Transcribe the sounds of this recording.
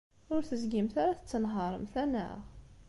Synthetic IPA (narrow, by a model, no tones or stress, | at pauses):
ʊɾθəzɡimθaɾaθə̥t͡sːənɦəɾˤmθænə̰ʁ